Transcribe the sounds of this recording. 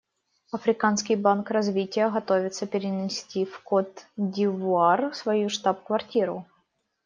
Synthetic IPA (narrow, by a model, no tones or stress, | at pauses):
ɐfɾʲɪkanskʲɪjbankrɐzvʲitʲɪjəɣɐt̪ovʲɪt̪səpʲɪɾʲɪnʲɪsʲtʲifkot̪dʲɪvʊarsvɐjuʂt̪apkvɐrtʲiɾʊ